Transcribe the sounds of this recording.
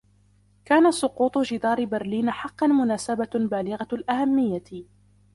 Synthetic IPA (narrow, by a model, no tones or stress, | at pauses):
kaːnat̪sˤʊquːt̪ˤd͡ʒɪd̪ɑːɾɪbaɾliːnaħɑqːɑnmʊnaːsababaːlɪɣalʔahamːɪjːa